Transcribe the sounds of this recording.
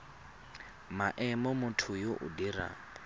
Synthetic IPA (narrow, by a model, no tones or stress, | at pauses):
maʔɛmɔmʊtʰʊjoʔʊ̰dira̰